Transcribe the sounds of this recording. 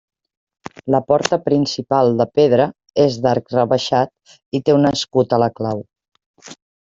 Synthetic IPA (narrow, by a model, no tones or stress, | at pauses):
ləpɔɾt̪əpɾinsipalˠd̪əpeðɾə | ezd̪aɾkrəβəʃat̪̚ | it̪eunəskut̪ələklaw